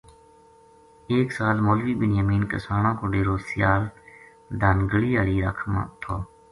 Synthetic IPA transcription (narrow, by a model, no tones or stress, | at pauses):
eːksaːlmoːlʋiːbɪnjəmiːnkə̰saːɳãːkoːɖeːɾoːsɪjaːl | d̪aːnɡəɽiːaːɽiːɾə̰ːkʰm̰ːt̪ʰoː